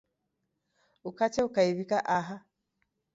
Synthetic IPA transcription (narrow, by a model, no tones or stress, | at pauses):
ukat͡ʃɛukaiβikaʔaɦa